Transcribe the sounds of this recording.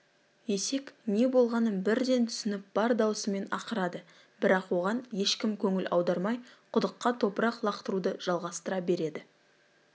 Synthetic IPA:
je̞se̞kne̞bo̞lˠʁɑnənbɪɾd̪e̞nt̪ʰʏsɪnɪp̚b̥ɑɾd̪ɑwsəme̞nɑqəɾɑd̪ə | b̥ɪɾɑqwo̞ʁɑnje̞ʃkʲɪmkʲʰɵŋɪlʔɑ̰wd̪ɑɾmɑjqʰʊd̪əqːɑt̪ʰo̞pəɾɑqlˠɑqt̪əɾud̪əʒ̥ɑlˠʁɑst̪əɾɑbe̞ɾe̞d̪ɪ

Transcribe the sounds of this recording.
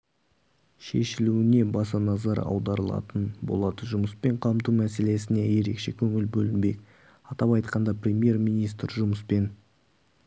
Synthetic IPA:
ʃe̞̰ʃɪluɪne̞bɑsɑnɑzɑɾɑ̰wd̪ɑɾəlˠɑ̰t̪ənbo̞̰lˠɑd̪əʒʊməspe̞ɴqʰɑmt̪umæse̞le̞sɪne̞je̞ɾe̞kʃe̞kʲʰɵŋɪlbɵlɪnbe̞k | ɑt̪ɑpɑjt̪qɑnd̪ɑprʲemje̞rmijnijst̪ɾʒʊməspe̞n

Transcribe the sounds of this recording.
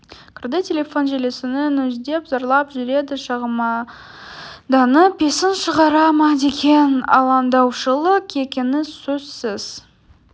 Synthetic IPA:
kʲʰɪɾd̪ət̪ʲʰːe̞lʲe̞fo̞nʒele̞sɪnɪnʏzd̪e̞pzɑɾlˠɑpʒʏɾe̞d̪ɪʃɑʁəmɑ | d̪ɑnəbe̞sɪnʃəʁɑɾɑmɑd̪e̞kʲe̞nɑ̰lˠɑnd̪ɑwʃəlˠəqe̞kʲenɪsɵzsɪz̥

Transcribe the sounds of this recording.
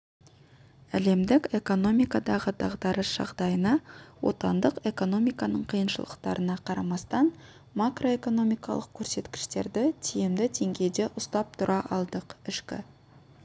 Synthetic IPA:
æle̞md̪ɪke̞ko̞no̞mijkɑd̪ɑʁəd̪ɑʁd̪ɑɾəsʒ̥ɑ̰ʁd̪ɑjənɑwo̞̰t̪ɑnd̪əqe̞ko̞no̞mijkɑnəɴqʰijənʃəlˠə̰q̚t̪ɑɾʔənɑqʰɑɾɑmɑst̪ɑn | makro̞e̞ko̞no̞mijkɑ̰lˠəq̚kʲʰːɵɾse̞t̪kʲɪ̥ʃt̪e̞ɾd̪ɪt̪ʰijemd̪ɪt̪ʰe̞ŋɡʲe̞jd̪e̞ʔʊst̪ɑp̚t̪ʰʊɾʔɑʔɑlˠd̪əqɪʃkʲɪ̰

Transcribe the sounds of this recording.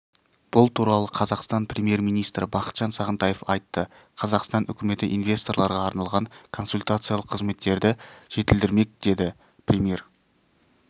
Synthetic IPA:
b̥ʊlˠt̪ʰuɾɑlˠəqʰɑzɑqst̪ɑnprʲemje̞ɾmijnijst̪ɾɪbɑqə̥t̪ʒ̥ɑnsɑʁənt̪ɑjefɑjt̪ːə | qʰɑzɑqst̪ɑnʔʏ̰kʲɪme̞t̪ɪʔḭnvʲe̞st̪o̞rɾlˠɑɾʁɑːɾnɑlˠʁɑŋkʰo̞nsulʲt̪at̪sɨjalˠəqʰːəzme̞t̪ːe̞ɾd̪ɪʒ̥e̞t̪ɪld̪ɪɾme̞k̚d̪̥e̞d̪ɪ | prʲemje̞ɾ

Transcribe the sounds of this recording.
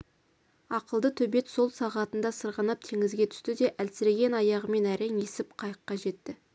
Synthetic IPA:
ɑqəlˠd̪ət̪ʰɵbe̞t̪so̞lˠsɑʁɑt̪ənd̪ɑsəɾʁənɑp̚t̪ʰe̞ŋɪzɡʲe̞t̪ʰʏ̥st̪ɪd̪e̞ʔælsɪɾeɡʲe̞nɑjɑʁəme̞næɾeŋe̞sɪpqʰɑjəqːɑʒe̞t̪ːɪ

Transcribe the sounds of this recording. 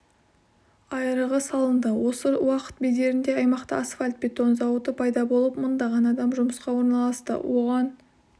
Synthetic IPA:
ɑjəɾəʁəsɑlˠənd̪əwo̞səwɑqə̥t̪̚bejd̪e̞ɾɪnd̪e̞ɑjmɑqt̪əasfalʲt̪̚be̞t̪o̞nzɑwət̪əpʰɑjd̪ɑbo̞lˠəp̚mənd̪ɑʁɑnɑd̪ɑmʒʊməsqɑwo̞ɾnɑlˠɑst̪ə̰wo̞ʁɑn

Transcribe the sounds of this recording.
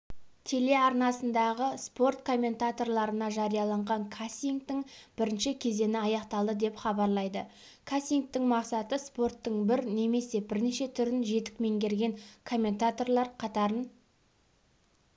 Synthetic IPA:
t̪ʰe̞le̞ɑɾnɑsənd̪ɑʁəspo̞rt̪kʰo̞mʲːe̞nt̪at̪o̞rlˠɑɾənɑʒɑɾijɑlˠɑɴʁɑŋkʰasʲiŋk̚t̪ɪŋb̥ɪɾɪnʃɪkʲʰe̞ze̞nɪɑjɑqt̪ɑlˠd̪əd̪e̞pχɑbɑɾlˠɑjd̪ə | kʰasʲiŋk̚t̪ɪŋmɑqsɑt̪əspo̞rt̪ːəɴbɪɾne̞me̞se̞bɪɾneʃe̞t̪ʰʏɾɪnʒe̞t̪ɪ̥k̚me̞ŋkʲʰe̞ɾɡʲe̞ŋkʰo̞mʲːe̞nt̪at̪o̞rlˠɑɾqʰɑt̪ɑɾən

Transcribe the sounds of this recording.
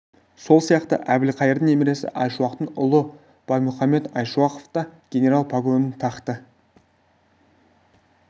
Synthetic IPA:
so̞lˠsijɑqt̪ə̰ʔæbɪlqʰɑjəɾd̪əŋne̞meɾe̞sɪ̰ʔɑjʃuɑqt̪əɴʊlˠə | b̥ɑjmʊχɑme̞t̪ɑjʃuɑqoft̪ɑɡ̥ʲe̞nʲe̞ɾalˠpʰaɡˠo̞nənt̪ʰɑqt̪ə

